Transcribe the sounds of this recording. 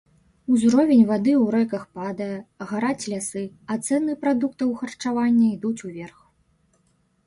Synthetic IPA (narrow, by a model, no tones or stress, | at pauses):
uzɾɔvʲenʲvad̪ɨwɾɛjkɐxpad̪ɐjɐɐɣaɾat͡sʲlʲasɨ | ɐt̪sɛnɨpɾad̪uk̚t̪ɐwxɐrt͡ʂavanʲːɐid̪ut͡sʲuvʲɛrx